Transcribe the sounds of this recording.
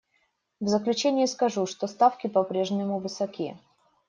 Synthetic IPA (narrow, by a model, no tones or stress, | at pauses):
vzəklʲʉt͡ɕenʲɪjiskɐʐuʂt̪o̞st̪afkʲɪpɐpɾʲe̞ʐnʲɪmʊvɨsɐkʲijə̰